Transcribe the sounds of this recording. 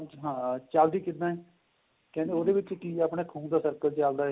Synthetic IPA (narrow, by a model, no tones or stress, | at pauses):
ɦãːt͡ʃaːld̪iːkɪt̪naːɛː | kɛ̃ːeoːd̪eːʋɪt͡ʃːʈiːaːpɽeːkʰũːnd̪aːsəɾkəlt͡ʃaːld̪aːɦɛ